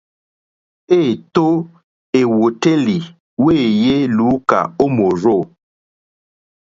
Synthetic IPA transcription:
e˦˨to˦ | e˨wo˨te˦li˨ | we˦˨je˦lu˨˦ka̰˨o˦mo˨ɾo˦˨

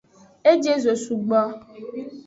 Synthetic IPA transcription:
e˦d͡ʒe˦zo˨su˨ɡ͡bɔ˦

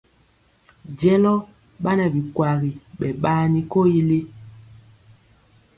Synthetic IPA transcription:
d͡ʒɛ˦lɔ˦ | ɓa˦na˨bi˨kwa˨ɣi˨ɓɛ˨ɓaː˦ni˦ko˦ji˦le˦

